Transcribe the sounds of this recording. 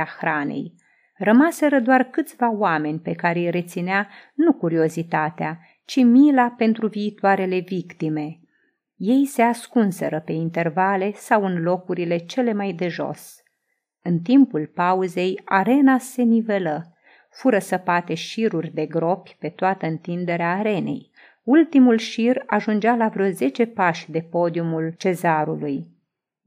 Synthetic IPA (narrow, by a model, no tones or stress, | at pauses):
axɾanḛj | rəmase̞ɾəd̪oarkɨt̪sʲvaoame̞nʲpe̞kaɾejre̞t̪sineanukuɾio̞zit̪at̪ea | t͡ʃimilape̞nt̪ɾuviːt̪oaɾe̞le̞vikt̪ime̞ | je̞jse̞askunse̞ɾəpe̞int̪e̞rvale̞sawɨnlo̞kuɾile̞t͡ʃe̞le̞majd̪e̞ʒo̞̰s | ɨnt̪impulpauze̞jaɾe̞nase̞nive̞lə | fuɾəsəpat̪e̞ʃiɾurʲd̪e̞ɡɾo̞pʲpe̞t̪oat̪əɨnt̪ind̪e̞ɾeaːɾe̞ne̞̰j | ult̪imulʃiraʒund͡ʒalavɾeoze̞t͡ʃe̞paʃʲd̪e̞po̞d̪iumult͡ʃe̞zaɾuluj